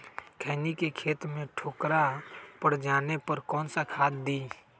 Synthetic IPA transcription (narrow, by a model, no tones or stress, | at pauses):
kʰəːnikekʰeːt̪mẽʈʰoːkɾapəɽd͡ʒaːnepəɾkɔːnsakʰaːd̪d̪i